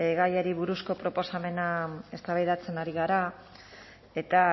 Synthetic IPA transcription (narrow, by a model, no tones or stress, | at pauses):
ɣajaɾiβuɾusko̞pɾo̞po̞same̞nae̞st̪aβajðat͡se̞naɾiɣaɾa | e̞t̪a